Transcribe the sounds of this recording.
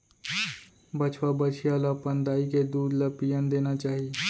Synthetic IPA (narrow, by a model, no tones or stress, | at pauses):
bɐt͡ʃʰwabət͡ʃʰijalapənd̪aːiked̪uːd̪ləpijənd̪eːnat͡ʃaːɦie